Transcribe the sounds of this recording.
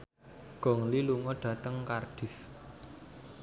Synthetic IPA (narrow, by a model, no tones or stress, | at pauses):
ɡ̥ɔ̤ŋliluŋɔɖ̥ä̤t̪əŋkarɖ̥i̤f